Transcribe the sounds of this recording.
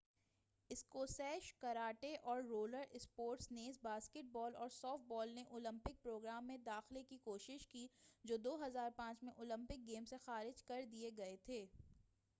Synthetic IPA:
ɪskoːsɛːʃkɐɾaːʈeʔɔːɾːoːləɾɪspoːɾʈsnesbaːskeʈ̚bɔːlɔːɾsɔːfʈ̚bɔːlneʔoːlə̃mpɪk̚pɾoːɡɾaːmːẽd̪aːxlekikoːʃɪʃkiːd͡ʒoːd̪oːɦɐzaːɾpãːt͡ʃmẽʔoːlə̃mpɪk̚ɡeːmsexaːɾɪd͡ʒkɐɾd̪ieɡɐet̪ʰeː

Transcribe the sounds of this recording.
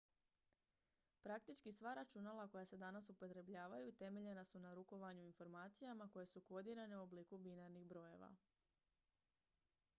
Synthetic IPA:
pɾakt̪it͡ʃkisʋaɾat͡ʃunalako̞jase̞d̪anasupo̞t̪ɾe̞bʎaːʋajut̪e̞me̞ʎe̞nasunaɾuko̞ʋaɲuinfo̞ɾmaːt̪sijamako̞je̞suko̞d̪iɾane̞uobliːkubinaɾniɣbɾo̞je̞ʋa̰

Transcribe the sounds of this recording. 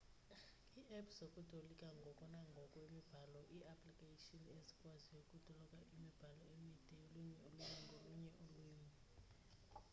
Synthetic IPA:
iʔɛpʰz̥okʼutʰʼolikʼaŋɡʱɔkʼɔnaŋɡʱɔkʼwemib̥ʱalɔʔiʔapʰʼlikʼetɔnezi̥kʼwazijokʼud̥ʱʼɔlɔkʼaʔimib̥ʱalɔemidʱʼɛluɲɛolunaŋɡʱoluɲɛʔolwiːmi

